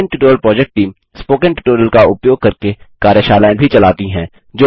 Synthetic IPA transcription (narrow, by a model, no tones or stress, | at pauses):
ɳʈuʈoːɾjəlpɾɔːd͡ʒɛk̚ʈʈiːm | spoːkə̃ɳʈɪʈoːɾjəlkaʊpjoːɡ̚kɐɾkekaːɾjəʃaːlaːẽbʱit͡ʃɐlaːt̪iɦɛ̃ː | d͡ʒoː